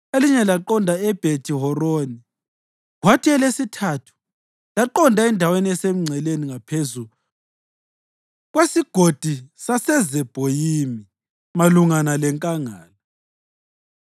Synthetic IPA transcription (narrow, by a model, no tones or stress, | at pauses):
eliɲɛlaǃɔndʱaɛb̥ʱetʰiɦɔroːni | ɣwatʰiɛlesitʰaːtʰu̥ | laǃɔndʱaɛndʱaweniɛsem̩uŋ͡ǀʱɛleniŋapʰezu | ɣwesiɡ̥ʱod̥ʱisasɛzɛb̥ʱojimi | maluŋanalɛŋkʼaŋaːlɔ